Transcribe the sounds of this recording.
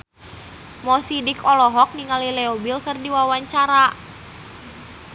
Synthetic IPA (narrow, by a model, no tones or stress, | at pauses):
mɔsidikɔlɔɦɔk̚niŋalilɛɔbilkɨrdiwawaɲt͡ʃaɾa